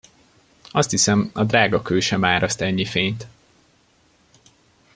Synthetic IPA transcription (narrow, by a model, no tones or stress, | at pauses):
ɒst̪hisɛmɒd̪raːɡɒkøːʃɛmaːɾɒst̪ɛɲːifeːɲt̪